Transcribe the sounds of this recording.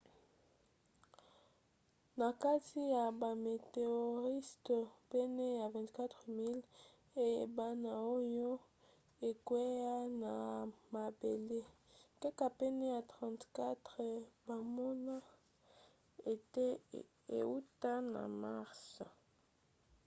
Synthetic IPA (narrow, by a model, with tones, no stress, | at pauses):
na˨ka˦ti˦ja˨ba˨me˨te˨o˨ʁi˦stɔ˨pɛ˦nɛ˦ja˨vɛ̃˨nti̥˨˦ka˦tʁə˨mi˦l | e˦je˨ba˦na˨o˦jo˦ | e˨kwɛ˦a˦na˨ma˨be˨le˦ | kɛ˦ka˨pɛ˦nɛ˦ja˨tʁã˨ntka˦tʁə˨ba˨mo˦na˦ | e˨tɛ˦ | ḛ˨u˦ta˦na̰˨ma˦ʁs